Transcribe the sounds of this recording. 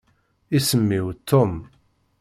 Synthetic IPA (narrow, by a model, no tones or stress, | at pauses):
isəmːiwt̪ʰːʊm